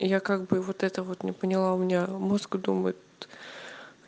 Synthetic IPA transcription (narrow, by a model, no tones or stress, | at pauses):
jakaɡbɨvo̞t̪ɛt̪əvo̞t̪nʲɪpənʲɪlˠaʊmʲɪnʲamoskd̪uməjɪt̪